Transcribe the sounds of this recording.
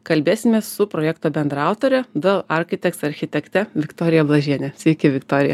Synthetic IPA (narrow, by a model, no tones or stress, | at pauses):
kɐlʲbʲeːsʲɪmʲeːssʊpɾoːjɛkt̪oːbʲɛnd̪ɾɑˑʊt̪oːɾʲɛd̪ɐlˠɐɾʲxʲɪt̪ʲɛktsɐɾʲxʲɪt̪ʲɛkt̪ʲɛʋʲɪkt̪oːɾʲɪjɛblˠɐʒʲiɛnʲɛsʲʋʲɛɪkʲɪʋʲɪkt̪oːɾʲɪjɛ